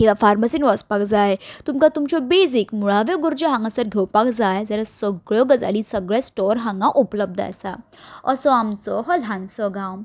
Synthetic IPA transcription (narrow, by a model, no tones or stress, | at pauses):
kiʋafaɾməsinʋɔspakd͡zaet̪umkat̪umt͡ɕɔbeːzikmuɭaʋjɔɡuɾd͡ʑoɦãŋɡãsəɾɡʱewpakd͡zaed͡zəɾasəɡɭjɔɡɐd͡za̰lisəɡɭesʈɔɾɦãŋɡãʔupləb̚d̪a̰sa̰ | ɔ̰ɾsɔamt͡sɔɦɔlansɔɡawm